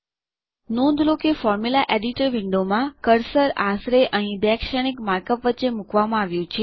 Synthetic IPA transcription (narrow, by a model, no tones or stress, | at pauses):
nũnd̪lokefɔɾmulaʔeɖiʈəɾʋɪɳɖomãkəɾsəɾasɾeʔəɦĩd̪akʃəɽ̃ikmaɾkəpʋətːt͡ʃːemukʋamãaʋjũt͡ʃʰe